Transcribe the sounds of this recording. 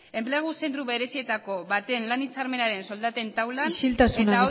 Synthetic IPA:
e̞mpleɣ̞usent̪̬ɾuβe̞ɾe̞sie̞t̪ako̞βat̪e̞nlanit͡saɾme̞naɾe̞nso̞ld̪at̪ent̪awlaʃilt̪asuna

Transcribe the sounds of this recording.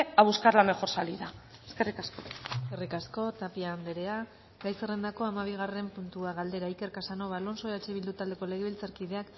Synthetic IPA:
aβuskaɾlame̞xo̞ɾsaliða | eskerikasko̞eskerikasko̞t̪apiaːnd̪e̞ɾe̞a | ɡajse̞re̞nd̪ako̞amaβ̞iɣ̞are̞mpunt̪uaɣald̪e̞ɾaike̞rkasano̞βalo̞nso̞at͡ʃeβild̪ut̪ald̪e̞ko̞le̞ɣeilt͡saɾkið̞e̞ak

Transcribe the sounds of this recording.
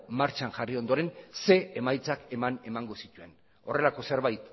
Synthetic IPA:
maɾt͡ʃaŋʝario̞nd̪o̞ɾe̞nse̞ːmajt͡sake̞mane̞maŋɡo̞sit̪ue̞n | o̞re̞lako̞se̞ɾβajt̪

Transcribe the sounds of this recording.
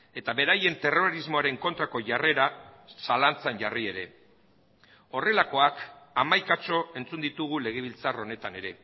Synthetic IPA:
e̞t̪aβe̞ɾaje̞nt̪e̞ro̞ɾizmo̞aɾe̞ŋko̞nt̪ɾako̞ʝare̞ɾasalant͡sanʝarie̞ɾe̞ | o̞re̞lako̞akamajkat͡ʃo̞e̞nt͡sund̪it̪uɣ̞ule̞ɣ̞e̞β̞ilt͡saro̞ne̞t̪ane̞ɾe̞

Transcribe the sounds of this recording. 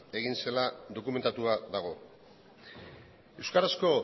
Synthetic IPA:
e̞ɣinse̞laðo̞kume̞nt̪at̪uaðaɣ̞o̞ | e̞wskaɾasko̞

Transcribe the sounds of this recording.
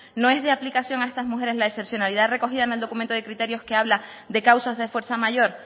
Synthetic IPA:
nõ̞e̞zðeaplikasjo̞ŋae̞st̪azmuxe̞ɾe̞zlaese̞psjo̞naliðare̞ko̞xiðaeneld̪o̞kumẽnt̪oðe̞kɾit̪e̞ɾjo̞ske̞aβla | d̪e̞kawsozðe̞fwe̞ɾsamaʝo̞ɾ

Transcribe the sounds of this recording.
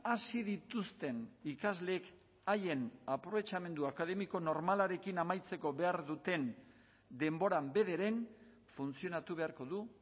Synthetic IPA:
asiðit̪ust̪e̞nikazle̞ːk | aje̞napɾo̞βe̞t͡ʃame̞nd̪uakaðe̞miko̞no̞ɾmalaɾe̞kinamajt͡se̞ko̞βe̞aɾðut̪e̞n | d̪e̞mbo̞ɾambe̞ðeɾe̞n | funt͡sio̞nat̪uβ̞e̞aɾko̞ðu

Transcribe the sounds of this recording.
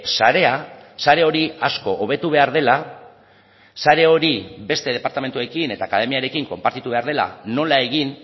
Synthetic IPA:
saɾe̞asaɾe̞o̞ɾiasko̞ʔoβe̞t̪uβ̞e̞aɾðe̞la | saɾe̞o̞ɾibe̞st̪e̞ð̞e̞paɾt̪ame̞nt̪ue̞kine̞t̪aːkað̞e̞miaɾe̞kiŋko̞mpaɾt̪it̪uβe̞aɾðe̞la̰no̞lae̞ɣin

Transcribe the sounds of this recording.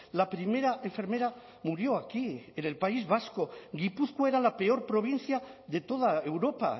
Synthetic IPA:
lapɾime̞ɾaʔe̞ɱfe̞ɾme̞ɾa | muɾjo̞akiene̞lpaizβasko̞ɡipuθkwoeɾalape̞o̞ɾpɾo̞β̞in̟θjaðe̞t̪o̞ð̞aewɾo̞pa̰

